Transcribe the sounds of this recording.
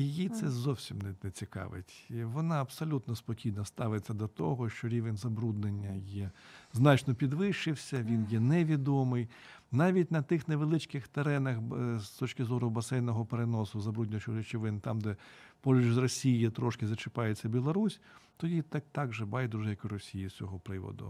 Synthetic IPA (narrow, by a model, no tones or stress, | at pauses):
jɪjit̪sɛzɔwsʲimnɛnɛt͡sʲikɑ̰ʋɪ̰tʲʋɔnɑɐbsɔlʲut̪nɔspɔkʲijnɐst̪ɑʋɪt͡sʲːɐd̪ɔt̪ɔɦɔʃt͡ʃɔɾʲiʋenʲzɐbɾud̪nenʲːɐjɛznɑt͡ʃnɔpʲid̪ʋɪʃɪwsʲɐʋʲinjɛnɛʋʲid̪ɔmɪj | nɑʋʲitʲnɐt̪ɪxneʋelˠɪt͡ʃkɪxt̪eɾɛnɐxst̪ɔt͡ʃkɪzɔɾʊbɐsɛjnɔɦɔpeɾenɔsʊzɐbɾud̪nʲɐt͡ʃɪɾʲɪt͡ʃɪʋɪnt̪ɑmd̪ɛpɔlʲʊd͡ʒzrɔsʲijjit̪ɾɔʃkɪzɐt͡ʃɪpɑjet͡sʲːɐbʲilˠɔɾusʲ | t̪ɔdʲit̪ɑk̚t̪ɑɡʒɪbɑjd̪uʒjɐkʊɾɔsʲijisʲʋʲɔɦɔpɾɪʋɔ̰d̪ʊ̰